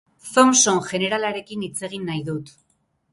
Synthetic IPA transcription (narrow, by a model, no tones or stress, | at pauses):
θomso̞ŋʝe̞ne̞ɾalaɾe̞kinit͡se̞ɣ̞inːajðut̪